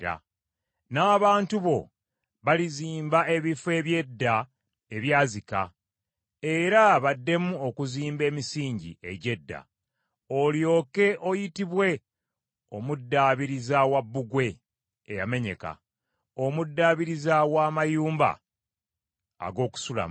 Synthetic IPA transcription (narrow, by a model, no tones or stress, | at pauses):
ɾa̰ | naːβaːntuβo̞̰ | βaliziːmbae̞βife̞ːβje̞dːa | eβjaːzika̰ | e̞ɾaβadːe̞muo̞kuziːmbe̞ːmisiːɲɟḭe̞̰ɟe̞dːa̰ | oljo̞ːke̞ʔo̞jitiβwe̞ | o̞mudːaβiɾizawabːuɡwe̞ː | ja̰me̞ɲe̞̰ka̰ | o̞mudːaːβiɾizawaːmajuːmba̰ | a̰ɡo̞ːku̥sula̰m